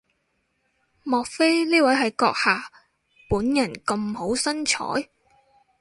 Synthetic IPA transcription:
mɔː˨k̚fe˥jniː˥wɐ˨˥jɦɐ˨jkɔː˧k̚haː˨ | puː˨˥njɐ˨˩nkɐ˧mho˨˥wsɐ˥nt͡ʃʰɔ̰ː˨˥j

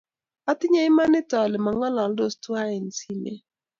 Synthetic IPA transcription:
a˦t̪ɪ˦ɲa˦ɪ˦ma˦nɪ˦tɔ˨lɛ˨ma˨ŋɔ˦lɔ˨ldo˦˨stwa˦ɛ˨nsi˦mḛ˨

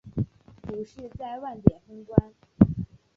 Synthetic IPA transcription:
pu˨˥˦ʂɻ̩˥˧t͡sa˥˧ɪwa˥˩nt̪jɛ˨˩nfʊ˥ŋkwa˥n

